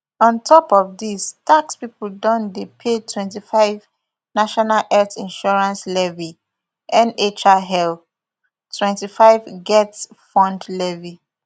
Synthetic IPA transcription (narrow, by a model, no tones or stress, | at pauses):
ɔ̃ntʰɔpɔvdistʰakspipl̩dɔ̃ndepʰetʰwɛ̃ntifaɪv | naʃɔnalʔɛtĩnʃɔɹãnslɛvi | ʔɛ̃net͡ʃaɦɛl | tʰwɛ̃ntifaɪvɡɛts | fɔ̃ndlɛvi